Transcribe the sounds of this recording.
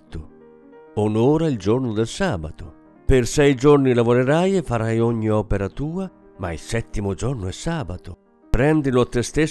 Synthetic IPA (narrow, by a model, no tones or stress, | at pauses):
t̪ːʊ | onoːɾaild͡ʒornʊd̪elsaːbat̪o | persɛjd͡ʒornilavoɾeɾajefːaɾajoɲːiɔːpeɾat̪uːa | ma̰ḭlsɛt̪ːimod͡ʒornoɛsaːbat̪o | pɾɛnd̪ilʊat̪ːest̪e